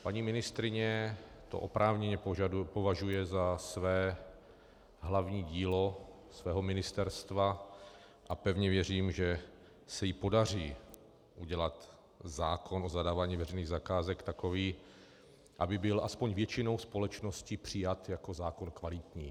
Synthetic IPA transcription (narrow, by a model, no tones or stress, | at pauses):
paɲiːmɪnɪst̪ɾɪɲɛt̪o̞̰ʔopɾʔaːvɲɛɲɛpovaʒujɛzasvɛː | ɦlavɲiːɟiːlo̞ | svɛːɦo̞mɪnɪst̪ɛɾst̪va | ʔapɛvɲɛvjɛriːmʒɛ | sɛjɪpo̞dar̝iː | ʔuɟɛlat̪ | zaːkʰo̞nʔo̞zadaːvaːɲiːvɛɾrɛjniːɣzakaːzɛkt̪ako̞viː | ʔabɪbɪlʔaspo̞ɲvjɛt͡ʃɪno̞wspo̞lɛt͡ʃnoscɪpr̝̥ɪjat̪jako̞zaːko̞nkvalɪt̪ɲiː